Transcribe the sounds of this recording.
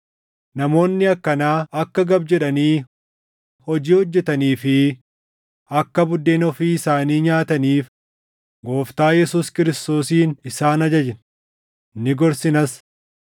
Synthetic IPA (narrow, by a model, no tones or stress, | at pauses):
nɐmo̞ːnːɪɐkːɐnaːɐkːɐɡɐbd͡ʒɛᶑɐniː | hɔd͡ʒiːhɔd͡ʒːɛt̪ɐniːfɪ | ɐkːɐbʊd̪ːeːnɔfiːɪsaːniːɲaːt̪ɐniːf | ɡo̞ːft̪aːjɛsuːskɪɾɪst̪oːsiːnɪsaːnɐd͡ʒɐd͡ʒɪn | nːɪɡɔɾsɪnɐs